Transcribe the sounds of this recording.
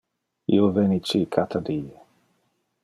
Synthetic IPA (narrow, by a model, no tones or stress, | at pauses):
ḭovenit͡ʃikʰat̪ʰad̪ie